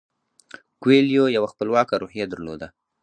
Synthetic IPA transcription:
kweljojawaxpəlwɑkaɾohijad̪əɾlo̰d̪a

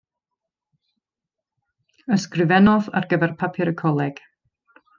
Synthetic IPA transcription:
əskɾɪvɛnɔða̰ɾɡəvɛɾpʰapʰɪɾəkʰɔlɛɡ̥

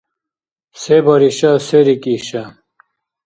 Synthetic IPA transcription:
sebɐɾiɕɐseɾikiɕɐ

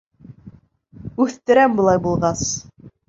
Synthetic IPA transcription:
ʉθt̪ɘ̆ɾæmbulˠɑjbulˠʁɑs

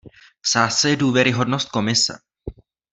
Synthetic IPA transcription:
z̥aːsaɛduːvjɛɾɪɦo̞dnost̪̚ko̞mɪsɛ̰

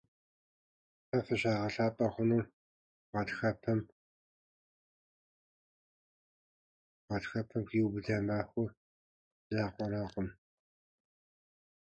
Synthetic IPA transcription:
ɐfɐɕaːʁɐɬaːpʼɐχʷʊnuː | ʁɐtxɐpʰɐm | ʁɐtxɐpʰɐmkiwbɨdɐmaːxʷʊr | zaːqʷɔɾaːqʷɔm

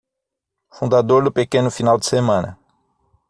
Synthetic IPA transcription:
fũnd̪ad̪oɾd̪ʊpekẽnʊfinawd͡ʒ̪ɪ̥semɐ̃nɐ̰

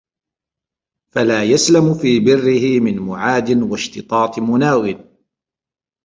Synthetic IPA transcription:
falaːjaslamfiːbɪrːɪhɪmɪnmʊʕaːd̪ɪnwaʃt̪ɨt̪ˤɑːt̪ˤɨmʊnaːwɪn

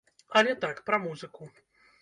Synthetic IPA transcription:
ɐlʲɛt̪akpɾɐmuzɨku

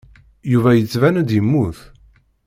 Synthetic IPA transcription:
juvæjət͡sːvænæd̪jəmːuθ

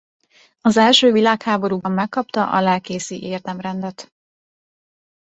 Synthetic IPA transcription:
ɒzɛlʃøːvilaːkhaːbo̞ɾuːbɒmːɛkːɒpt̪ɒʔɒ̰laːkeːsiʔeːrd̪ɛmrɛnd̪ɛt̪

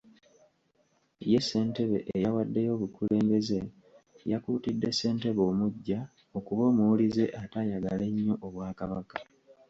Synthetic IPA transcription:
je̞sːe̞ːnte̞βe̞̰ʔejawadːe̞jo̞ːβukule̞ːmbe̞ze | jakuːtidːe̞sːe̞ːnte̞βo̞ːmuɟːa | o̞kuβo̞ːmuwulize̞ʔatajaɡale̞ɲːo̞ʔoβwaːkaβakḁ

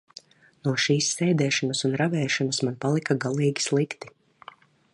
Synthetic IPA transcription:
nuɔʃiːsːɛːd̪ɛːʃɔnusunɾavɛːʃɔnasmanpalˠikaɡalˠiːɡʲi̥slˠikt̪i̥

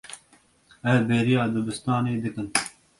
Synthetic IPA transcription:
ɛɾbeːɾijɑːd̪ɨbɨst̪ɑːneːd̪ɨkɨn

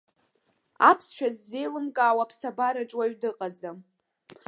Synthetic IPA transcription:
apʰsʃᶣazːejlɨmkʼaːwapʰsabaɾaʈ͡ʂʼwaɥdɨqʼad͡zam

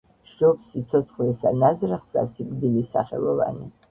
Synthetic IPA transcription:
ʃʒ̥ɔpsit̪sʰɔt̪sʰχlɛsanazɾaχsa̰siɡʼd̪ilisaχɛ̰lˠɔva̰nḭ

